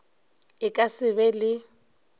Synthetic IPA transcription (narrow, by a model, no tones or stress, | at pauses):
ɪkʼasɪβɛlɪ